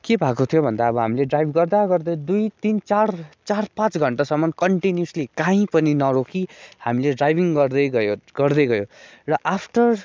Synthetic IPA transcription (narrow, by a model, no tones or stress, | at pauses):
kebʱakot̪ʰjobʱʌnd̪aʌbʌɦa̰mileɖrajbʱɡʌrd̪aɡʌrd̪ʌjd̪ujt̪int͡sart͡sarpãt͡sɡʱʌɳʈasʌmːʌnkʌɳʈinjuslikãĩpʌninʌɾokʰihamileɖrajbʱiŋɡʌrd̪ʌjɡʌjoɡʌrd̪ʌjɡʌjorʌʔapʰʈʌr